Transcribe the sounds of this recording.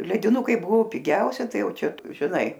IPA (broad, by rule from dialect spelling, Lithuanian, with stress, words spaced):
lʲɛdʲɪˈnʊkɐɪ ˈbʊʋoː pʲɪˈɡʲɛʊsʲɛ ˈtɐɪ ˈjɛʊ ˈt͡ʃʲɛ ʒʲɪˈnɐɪ